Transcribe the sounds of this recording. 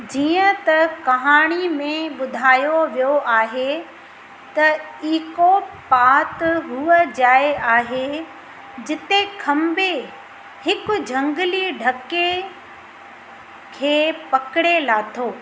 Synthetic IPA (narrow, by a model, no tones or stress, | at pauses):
d͡ʑiːə̃t̪ɐkɐɦaːɽ̃imẽɓʊd̪ʱaːjoʋijoʔaːɦe | t̪ɐiːkopaːt̪ɦuəd͡ʑaːeaːɦe | d͡ʑɪt̪ekʰɐmbe | hɪkʊ̆d͡ʑʱɐ̃ŋɡliɖʱɐke | kʰeːpɐkɪɽelaːt̪ʰoː